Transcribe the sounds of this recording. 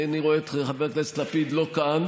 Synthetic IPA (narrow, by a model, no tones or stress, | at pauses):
aniʁoet̪eχaveklestlapid̪lokan